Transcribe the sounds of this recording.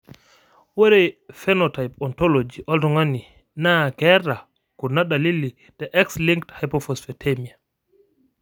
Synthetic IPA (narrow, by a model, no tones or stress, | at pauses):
wɛɾɛfɛnɔtajpɔntɔlod͡ʒiʔɔltɔŋani | naɡɛɾa | kɔnaɗalilːi | d̥ɛʔɛksliŋkthajpɔfɔsfɛtʰemia